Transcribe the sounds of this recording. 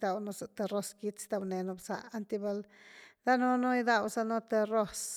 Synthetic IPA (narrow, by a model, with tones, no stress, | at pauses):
d̪a˧wno˧so˨t̪e˧ɾo˦ski˦t͡st̪a˧wne˨no˧bsa˨a˦nt̪i˦˧be˧ld̪a˦no˦no˦jd̪a˧wsa˦no˦t̪e˧ro˦s